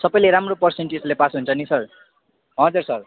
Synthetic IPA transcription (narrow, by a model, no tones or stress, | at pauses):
sʌpʌjleɾamropʌrseɳʈid͡zlepasɦunt͡sʰʌnisʌr | ɦʌd͡zursʌr